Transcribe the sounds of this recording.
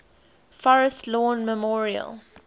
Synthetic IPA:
fɔɹəstlɔ̃ːnməmɔːɹiə̰lˠ

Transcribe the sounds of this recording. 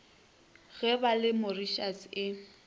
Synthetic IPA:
ɣɛbalɪmʊriʃasɪ

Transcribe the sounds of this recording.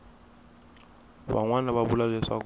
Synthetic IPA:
ɓa̰ŋwanaβaɓulak̬ɛswak

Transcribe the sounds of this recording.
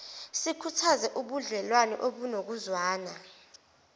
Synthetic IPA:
sikʰutʰazɛʔuɓuɮɛlwanɛ̰ʔoɓunok̬uzwaːna

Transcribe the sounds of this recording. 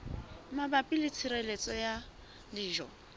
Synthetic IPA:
mabapʼɪlɪt͡sʰiɾelet͡sʼɔja | liːʒɔ

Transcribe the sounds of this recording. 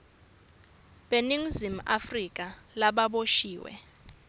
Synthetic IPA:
ɓeniŋ̩zim̩ʔafrik̬ʼalaɓaɓoʃiːwɛ̰

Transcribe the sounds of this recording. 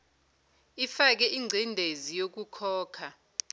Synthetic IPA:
ifak̬ɛʔiŋ͡ǀʱindʱezijok̬ukʰɔːkʰa

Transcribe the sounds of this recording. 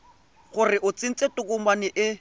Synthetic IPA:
χʊrɪʔʊt͡sɪn̩t͡sʼetʼʊkʼʊmanɪʔɪ

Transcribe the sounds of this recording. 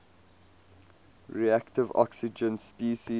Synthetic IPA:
ɹiæktɪvɔ̰ksɪd͡ʒə̃nspiːʃi

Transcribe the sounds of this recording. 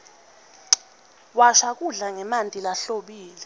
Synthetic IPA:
waʃak̬ʼuɮaŋɛmantʼilaɬoɓiːlɛ

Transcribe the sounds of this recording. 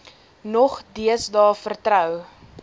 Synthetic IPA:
nɔχdiəsdɑːfərtrœw

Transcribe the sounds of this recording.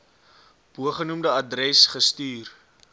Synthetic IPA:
b̥uəχənumdəɐdrɾɛsχəstyːr

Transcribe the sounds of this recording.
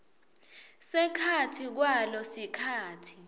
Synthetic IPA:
sɛkʰatʰik̬walɔsikʰaːtʰi̥

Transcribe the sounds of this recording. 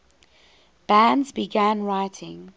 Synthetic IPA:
b̥æ̃ndzbiɡæ̃nɹaɪtʰɪ̃ŋ

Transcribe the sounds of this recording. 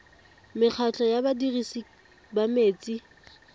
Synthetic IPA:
mɪk͡xʰat͡ɬʰɔjabadirisi | bameːt͡sʼi

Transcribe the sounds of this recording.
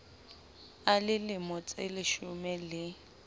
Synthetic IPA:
alɪlɪmɔt͡sʼelɪʃʊmɛlɪ

